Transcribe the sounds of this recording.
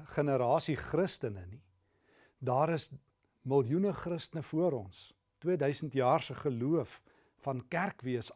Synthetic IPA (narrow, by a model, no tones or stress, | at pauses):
χənəɾɑːsiχrəstənəni | dɑːɾəs | məlˠjunəχrəstənəfuəɾɔns | twiədœɥsəntjɑːrsəχəluəfː | ɐnkærkviəs